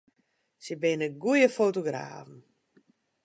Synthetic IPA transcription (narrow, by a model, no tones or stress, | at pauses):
səbɪnəɡujəfoːtoɡra̰ːvn̩